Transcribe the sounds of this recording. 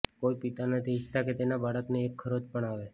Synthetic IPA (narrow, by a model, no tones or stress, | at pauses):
koipit̪anət̪ʰiʃt̪aket̪enabaɽəkneːkʰːəɾod͡ʒpəɳaʋe